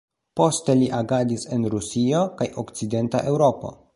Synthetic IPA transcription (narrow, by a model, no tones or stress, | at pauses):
po̞ste̞liʔaɡadise̞nɾusio̞kajʔo̞kt͡side̞ntaʔe̞wɾo̞po̞̰